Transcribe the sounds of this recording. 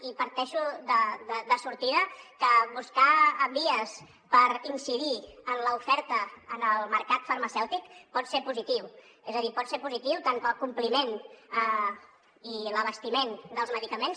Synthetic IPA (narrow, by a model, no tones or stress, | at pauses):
ipəɾt̪ɛʃuðəðəd̪əsuɾt̪iðəkəβuskabiəs | pəɾinsiðiənləufɛɾt̪əːnəlˠməɾkat̪fəɾməsɛwt̪ikpɔt̪seɾpuzit̪iw | ezəðipɔt̪seɾpuzit̪iwt̪aŋkəlˠkumplimenə | iləβəst̪imend̪əlˠzməðikəmens